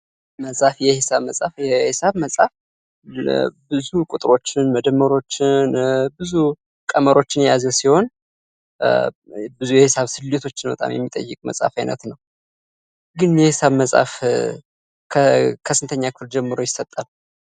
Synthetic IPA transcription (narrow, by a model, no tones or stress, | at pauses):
məsʼafjɛhɪsaβməsʼa̰fjɛhɪsaβməsʼaf | bɨzukʼut̪ʼɾo̞t͡ʃːɪnməd̪əmːəɾo̞t͡ʃːɪnbɨzu | kʼəməɾo̞t͡ʃːɪnjɛjazəsiho̞n | bɨzujɛhɪsaβsɨlːet̪ʰo̞t͡ʃːɪnbət̪ʼa̰mjɛ̰mːit̪ʼə̰jːɨkʼmə̰sʼa̰fajnə̰t̪nəw | ɡɨnjɛhɪsaβməsʼa̰f | kʰəkʰəsɨnt̪ʰəɲːakɨfɨld͡ʒɛmːɨɾo̞jɪsət̪ʼːal